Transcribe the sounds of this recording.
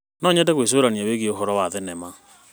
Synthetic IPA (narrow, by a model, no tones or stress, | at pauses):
nɔɲɛdɛɣwes̬oːɾaniaweɣieoɦɔɾɔwaðɛnɛma